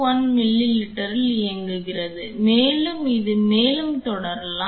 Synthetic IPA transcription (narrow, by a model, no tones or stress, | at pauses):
ʋɐnmɪlːilɪʈːɐɾɪlɪjɐŋɡɯɣɪɾɐðɯmeːlɯmɪðɯmeːlɯmt̪ɔɽɐɾla